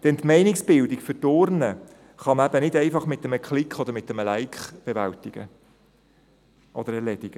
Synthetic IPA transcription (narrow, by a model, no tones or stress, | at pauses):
d̥ɛnt̪mɛɪnɪksb̥ɪldikfətoːɾnə | χɑməæbənɪdɛɪfɑχmɪt̪ːəməkχlɪkχɔd̪əɾmɪt̚ːəməlæɪkχb̥eʋæ̰ltɪɡ̥ə̰ | ʔɔd̥̪əɾɛlɛdɪɡ̥ə